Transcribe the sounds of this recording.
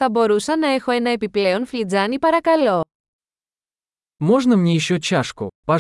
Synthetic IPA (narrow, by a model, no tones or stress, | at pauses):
θɐboɾusɐnɐexoenɐepipleonflʲid͡zanipɐɾɐkɐlo | moʐnəmnʲejɪɕːot͡ɕaʂkʊ̰pɐ